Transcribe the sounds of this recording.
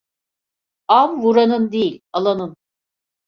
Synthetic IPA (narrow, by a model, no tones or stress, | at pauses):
amvuɾanɯnd̪ejilʲalˠanɯn